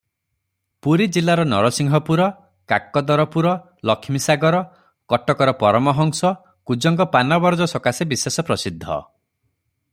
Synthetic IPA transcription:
puɾid͡ʒilːaɾɔnɔ̰ɾɔsiŋɡʱɔpuɾɔ | kakːɔd̪ɔɾɔpuɾɔ | lɔkʰːimisaɡɔɾɔ | kɔʈɔkɔɾɔpɔɾɔmɔɦɔŋsɔ | kud͡ʒɔŋkɔpanɔbɔɾd͡ʒɔsɔkasebisesɔpɾɔsid̪ʱːɔ̰

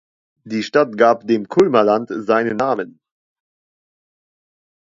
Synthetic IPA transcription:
d̥iːʃtatɡ̥aːpdeːmkʰʊlmɐlantzaɪnənːaːmən

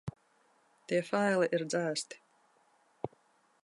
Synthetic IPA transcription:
t̪iɛfajliʔiɾd̪zæːst̪i̥

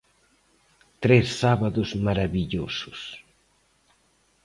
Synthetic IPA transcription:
t̪ɾesːaβɐðʊzmaɾɐβiʎosʊ̥s

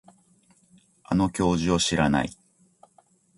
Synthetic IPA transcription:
a̰no̞kʲo̞ːʑio̞ɕiɾana̰i

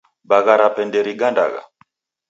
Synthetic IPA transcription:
baɣaɾapɛndɛɾiɡanda̰ɣa̰

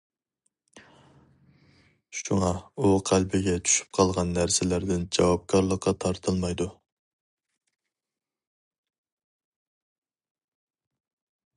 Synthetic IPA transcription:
ʃuŋɑuqʰælbɪɡʲɛt͡ʃʰy̥ʃy̥p̚qʰɑlˠʁɑnːæɾsɪlæɾd̪ɪnd͡ʒɑwɑp̚kʰɑɾlˠəqʰːɑt̪ʰɑɾt̪ʰɨlˠmɑjd̪u

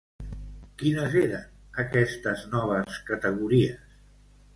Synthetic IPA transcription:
kinəzeɾən | əkɛst̪əznɔβ̞əskət̪əɣuɾiəs

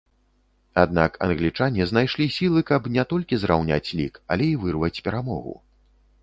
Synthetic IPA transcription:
ad̪̚nakɐ̰nɣlʲit͡ʂanʲɛzn̪ajʂlʲisʲilˠɨkɐpnʲɛt̪ɔlʲkʲizɾawnʲa̰t͡sʲlʲḭkɐ̰lʲɛivɨrvɐt͡sʲpʲɛɾamɔ̰ɣṵ

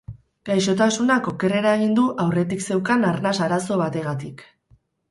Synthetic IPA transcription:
ɡ̥ajʃo̞t̪asunako̞ke̞re̞ɾaeɣ̞ind̪uʔawre̞t̪̬ikse̞wkanaɾnasaɾaso̞β̞at̪e̞ɣat̪ik

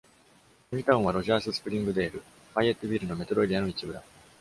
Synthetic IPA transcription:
oɾʲit̪aɯ̃βaɾo̞ʑaːsɨsɨ̥pɯ̟ɾʲĩŋɡɯ̟d̪e̞ːɾɯ̟ | ɸaiet̪ːobʲiːɾɯ̟no̞me̞t̪oɾo̞ɾʲiano̞it͡ɕibɯ̟d̪a

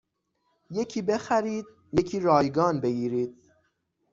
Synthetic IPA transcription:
je̞cʰiːbe̞xæɾiːd̪̥̚ | je̞cʰiːɾɒːjɡɒːnbe̞ɡiːɾiːd̪̥̚

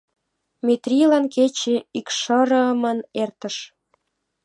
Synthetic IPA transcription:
mʲet̪rʲilɑnket͡ɕeikʃəɾə̆əmənert̪ə̆ʃ

